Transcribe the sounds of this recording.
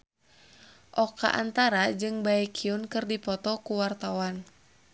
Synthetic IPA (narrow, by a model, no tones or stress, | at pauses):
ʔɔka̰ʔa̰nt̪aɾad͡ʒɨŋbaɛkʰiunkɨrdipɔt̪ɔkuwart̪awan